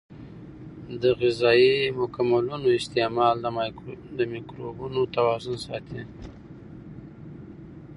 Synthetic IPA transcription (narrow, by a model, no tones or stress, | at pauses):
d̪əɣɪzɑimʊkamalunoɪst̪emɑld̪d̪əmikɾobunot̪awɑzʊnsɑt̪ʰi